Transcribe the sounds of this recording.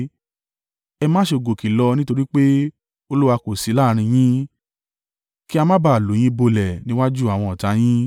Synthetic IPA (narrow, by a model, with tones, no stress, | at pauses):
ɛ˧mãː˦ʃe˧˨ɡo˨ki˨lɔ˧nĩ˦to˧ɾi˦k͡pe˦ | o˧lu˦wa˧ko˨si˨˦la˦˨˧ɾ̃ĩ˧j̃ĩ˦ | ki˦a˧mã˦ba˧˨lo˨˦j̃ĩ˦bo˧lɛ˨nĩ˦wa˦d͡ʒu˦a˨w̃ɔ̃˧˨ɔ˨ta˧˦j̃ĩ˦